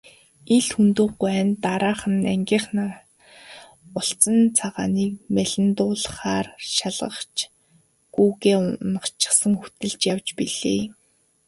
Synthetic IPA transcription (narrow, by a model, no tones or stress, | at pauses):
eɮxunt̪oːχuæːnt̪aɾaːχə̆næ̰ŋɡʲiːɴχnaː | ʊɬt͡sə̆nt͡sʰaʁaːniːk̚mæɮʲɪ̆nt̪ʊːɮə̆χaːrʃaɮʁə̰̆χt͡ɕ | ɡ̥uːɣeːʊnə̆χt͡ɕʰɪ̥̆χsə̆ŋxut̪ɘ̆ɮt͡ɕjawt͡ɕpiɮḛː